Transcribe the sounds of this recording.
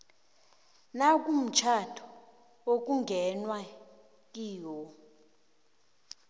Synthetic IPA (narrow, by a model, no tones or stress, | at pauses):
nak̬ʼum̩t͡ʃʰatʰɔ̥ | ok̬ʼuŋɡʱɛnwa | k̬ʼiːwɔ